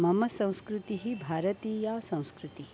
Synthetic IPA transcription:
mɐmɐsɐ̃w̃skɾut̪iɦibʱaːɾɐt̪iːjasɐ̃w̃skɾut̪i

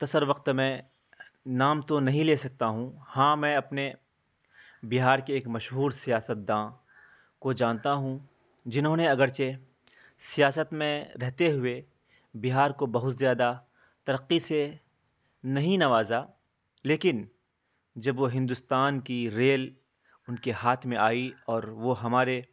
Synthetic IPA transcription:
t̪ɐsəɾʋɐqt̪mɛ̃ | naːmt̪onɐɦĩleːsɐk̚t̪aɦũhãːmɛ̃ːɐpne | bɪɦaːɾkeːkmɐʃɦuːɾsijaːsət̪̚d̪ãː | kod͡ʒãːnt̪aɦũ | d͡ʒɪnɦõːneɐɡəɾt͡ʃe | sijaːsət̪mẽɾɛɦt̪eɦʊe | biɦaːɾkobɐɦʊt̪zjaːd̪a | t̪ɐɾəqːise | nɐɦĩnɐʋaːza | leːkɪn | d͡ʒɐbʋoɦɪ̃nd̪ʊst̪aːnkiɾeːl | ʊnkehaːt̪ʰmẽaːiɔːɾʋoɦɐmaːɾe

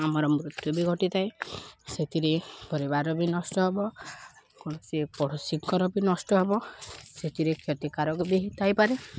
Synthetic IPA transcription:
amɔɾɔmɾut̪jɔbiɡʱɔʈit̪ʰajset̪ʰiɾepɔɾibaɾɔbinɔsʈɔɦebɔ | kɔɽ̃ɔsipɔɽ̤usiŋkkʰɔɾɔbinɔsʈɔɦebɔset̪ʰiɾekʰjɔt̪ikaɾɔkud̪eɦit̪ʰajpaɾe

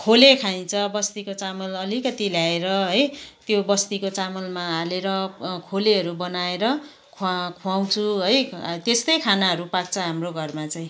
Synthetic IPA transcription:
kʰolekʰaj̃t͡sʰʌbʌst̪ikot͡samʌlʌlikʌt̪iljaeɾʌɦʌjt̪jobʌst̪ikot͡samʌlmaaleɾʌkʰoleɦʌɾubʌnaeɾʌ | kʰkʰuaw̃t͡sʰuɦʌjt̪est̪ʌjkʰanaɦʌɾupak̚t͡sʰʌɦamroɡʱʌrmat͡saĩ

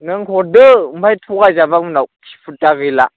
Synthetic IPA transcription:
nɯŋkʰɔdɯmpʰajtʰukazabamunawʔtʰi̥pʰutaɣɯla

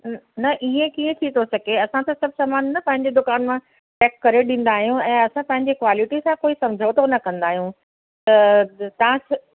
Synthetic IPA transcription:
nɐʔiẽkiːẽt̪ʰit̪ʰosɐɡʱeɐsãt̪ʰɐsɐbʱsaːmaːnnɐpɐ̃ɦɪ̃ɲ̆d͡ʑed̪ʊkaːnmã | ʈɛːkːɐɾeɗĩːn̆d̪aːɦijũɛ̃ːɐsãpɐ̃ɦɪ̃ɲd͡ʑekʋaːlɪʈisãkoːisɐ̃md͡ʑʱat̪ʰonɐkɐ̃nd̪aːɦijũ | t̪ɐt̪ɐɦãs

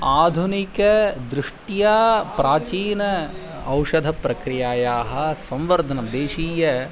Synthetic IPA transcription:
aːd̪ʱunikɐd̪ɾɪʂʈjaːpɾaːt͡ʃiːnɐ | ɐwʃɐd̪ʱɐpɾɐkɾijaːjaːɦɐ̆sɐ̃mʋɐɾd̪ʱɐnɐmd̪eːʃiːjɐ

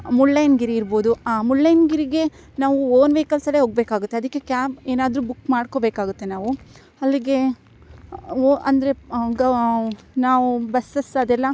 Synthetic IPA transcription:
muɭːɐjnɡiɾiːɾbo̞ːd̪uaːmuɭːɐjnɡiɾiɡe̞ | naːʋuoːnʋeːkɐlsɐleɦoːɡ̚beːkaːɡut̪ːeɐd̪ɐkːe̞kjaːbeːnaːd̪ɾubukmaːɖko̞beːkaːɡut̪ːe̞naːʋu | ɐlːiɡe̞ | oʔɐnd̪ɐɾe̞ɡɐ | naːʋubɐsɐsɐd̪ɛlːɐ

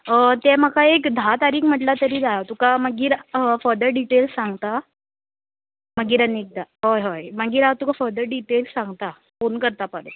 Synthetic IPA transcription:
ət̪ɛm̤əkaekd̪ʱat̪aɾiːkm̤əʈlat̪əɾiːd͡zajat̪ukaməɡiːɾəfəɾd̪əɾɖiʈelssaŋɡt̪a | məɡiːɾanːik̚d̪aɦojɦojmaɡiːɾaʋt̪ukafəɾd̪əɾɖiʈelssãŋɡt̪a | fonkəɾt̪apəɽə̰

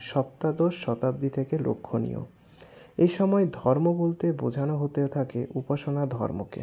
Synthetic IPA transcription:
ʃɔp̚t̪ad̪oʃʃɔt̪ab̚d̪it̪ʰekelo̰kʰːonḭo̰ | eʃɔmɔed̪ʱɔɾmobolt̪ebud͡ʑʱanoɦot̪eot̪ʰakeʔupaʃonad̪ʱɔ̰ɾmo̰kḛ

